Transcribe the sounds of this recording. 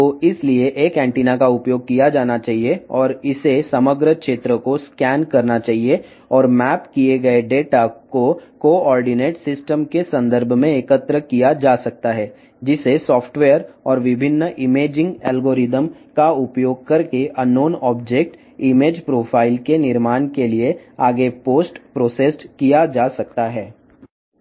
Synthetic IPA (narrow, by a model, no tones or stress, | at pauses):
oːɪslieʔeːkɛ̃ːɳʈiːnakaʊpjoːɡ̚kijad͡ʒaːnat͡ʃaːɦieɔːɾɪsesɐməɡɾəkʃeːt̪ɾəkoskɛːnkɐɾnat͡ʃaːɦie | ɔːɾmɛːpkieɡɐeɖeːʈakokoːɔːɾɖɪneːʈsɪsʈəmkesɐ̃nd̪əɾbʱmẽekət̪ɾəkijad͡ʒaːsɐk̚t̪aɦɛː | d͡ʒɪsesɔːfʰʈʋeːəɾɔːɾʋɪbʱɪnːʔɪmeːd͡ʒɪ̃ŋɡɛːlɡoːɾɪd̪əmkaʊpjoːɡ̚kɐɾkeʔɐnoːnɔːbd͡ʒek̚ʈ | ɪmeːd͡ʒpɾoːfʰaːɪlkenɪɾmaːnkelieaːɡepoːsʈpɾoːseːsʈkijad͡ʒaːsɐk̚t̪aɦɛː